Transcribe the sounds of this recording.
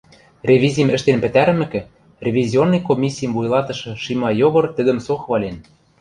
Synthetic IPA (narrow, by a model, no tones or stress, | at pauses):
rʲevʲizʲijmɘ̆ʃt̪enpɘ̆t̪æɾɘ̆mɘ̆kɘ̆ | rʲevʲizʲionːɤjkomʲisʲijəmvujlˠɑt̪ɤ̆ʃɤ̆ʃimɑjoɣɤ̆rt̪ɘ̆d̪ɘ̆msoxβɑlʲen